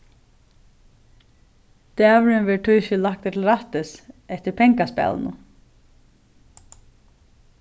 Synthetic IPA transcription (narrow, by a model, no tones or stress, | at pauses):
t̪æːvɾɪnʋɛːʈʰʊjʃɪlak̚t̪ɛt̪ʰl̩ɾaht̪ɪsɛht̪ɪɾpʰɛŋkaspɛ̰l̰nʊ̰